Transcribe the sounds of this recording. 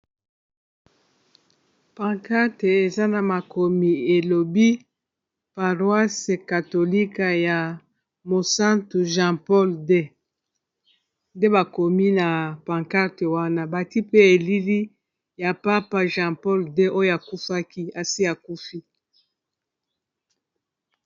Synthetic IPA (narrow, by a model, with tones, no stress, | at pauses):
pã˨ka˦te˨e˨za˦na˨ma˨ko˨mi˨e˨lo˨bi˦ | pa˨ʁwa˦se˨ka˨to˨li˦ka˨ja˨ | mo˨sã˦tu˨ʒã˦pɔ˦lde˦ | nde˦ba˨ko˨mi˦na˨pã˨ŋka˦te˨wa˦na˦ba˨ti˦pe˦e˨li˦li˦ | ja˨pa˦pa˦ʒã˦pɔ˦lde˦ʔo˦jo˦a˨ku˦fa˦ki˦a˨si˦a˨ku˦fi˦